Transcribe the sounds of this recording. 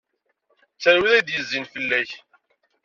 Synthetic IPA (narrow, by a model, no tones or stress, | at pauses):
t͡sːæɾwiðæd̪jəzːinfəlːæç